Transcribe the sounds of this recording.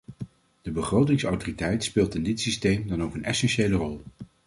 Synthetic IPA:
d̥əbəχrowtɪŋsɑ̰wtoritɛjtspɪːlˠtɪndɪtsistejmdɑnowkənɛsɛnʃejlərɔlˠ

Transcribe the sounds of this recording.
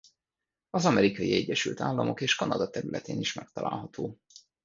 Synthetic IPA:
ɒzɒmɛɾikɒjiɛɟːɛʃylt̪aːlːɒmo̞keːʃkɒnɒd̪ɒt̪ɛɾylʔɛt̪eːniʃmɛkt̪ɒla̰ːlɦɒt̪ʰoː

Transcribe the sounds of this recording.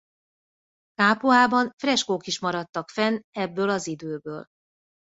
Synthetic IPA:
kaːpoaːbɒnfrɛʃkokiʃmɒɾɒt̪ːɒkfɛnɛbːøːlɒzid̪øːbøːl

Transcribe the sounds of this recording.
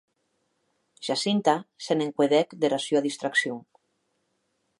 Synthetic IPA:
ʒ̥asint̪aseneŋkweðɛkd̪eɾasjoaðist̪ɾaksjoŋ

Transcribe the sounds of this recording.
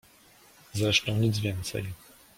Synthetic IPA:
zɛʂtɔɲʲid̪zvʲjɛnt̪sɛ̰j

